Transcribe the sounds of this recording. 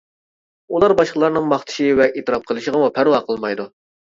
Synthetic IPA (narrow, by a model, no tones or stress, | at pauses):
ulˠɑɾbɑʃqlˠɑɾnɨŋmɑχt̪ʰɪ̥ʃɪvɛʔet̪ɨɾɑp̚qʰəlˠɨʃəʁəmupʰæɾwɑqʰəlˠmɑjd̪u